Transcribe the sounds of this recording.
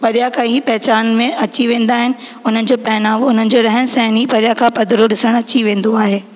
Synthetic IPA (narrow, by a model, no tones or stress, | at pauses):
pɐɾijakʰãɦiːpɛɦt͡ɕaːnmẽɐt͡ɕiʋẽːnd̪aːɦɪnɪ̆ | ʊn̤ənɪ̆d͡ʑoːpɛːnaːʋʊn̤ənɪ̆d͡ʑoːɾɐɦənsɛɦnipɐɾijakʰãːpɐd̪ʱɾoɗɪsəɽ̃ɐt͡ɕiʋẽːnd̪oaːɦeː